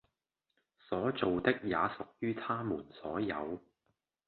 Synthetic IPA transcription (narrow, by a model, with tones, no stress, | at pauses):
sɔː˨˥t͡so˨wt̪ɪ˥k̚jaː˨˧sʊ˨k̚jyː˥t̪ʰaː˥muː˨˩nsɔː˨˥jɐ̰˨˧w